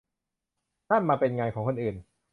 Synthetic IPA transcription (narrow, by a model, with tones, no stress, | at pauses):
taː˥˩nmaː˧pe˧nŋaː˧nkʰɔː˩˦kʰo˧nʔɯː˨˩n